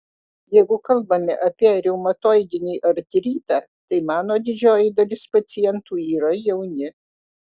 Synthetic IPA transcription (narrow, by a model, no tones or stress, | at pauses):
jɛɪɡʊkɐlˠbɐmʲɪʔɐpʲiɛɾʲɛʊmɐt̪oːɪd̪ʲɪnʲiːʔɐɾʲt̪ʲɾʲiːt̪ɑː | t̪ɐɪmɑːnoːd̪ʲɪd͡ʒʲoːjɪd̪ɐlʲɪspɐt̪sʲɪjɛnt̪uːiːɾɐjɛʊnʲɪ